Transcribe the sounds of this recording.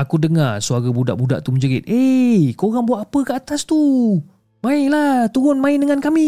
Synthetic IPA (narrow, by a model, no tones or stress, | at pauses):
akudəŋarsuaɾabuda̰ʔbuda̰ʔt̪uməɲd͡ʒəɾit̪̚ʔekoɾaŋbuaʔ̪apəkəat̪ast̪u | maɪlat̪uɾʊnmaɪndəŋankami